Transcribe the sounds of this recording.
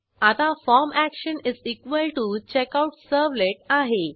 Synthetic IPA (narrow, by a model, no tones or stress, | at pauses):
at̪afɔɾmækɕənizikʋəlʈut͡ɕekawʈsəɾʋleʈaɦe